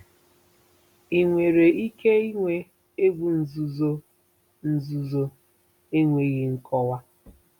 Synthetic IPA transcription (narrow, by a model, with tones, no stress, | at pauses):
i˨ŋʷe˨ɾe˨i˦ke˦i˦ŋʷe˦ | e˦ɡʷu˨n̩˨zu˨zo˦ | n̩˦˨zu˨zo˦ | e˦ŋʷe˨ɣi˦ŋ̩˦kʰɔ˦wa˦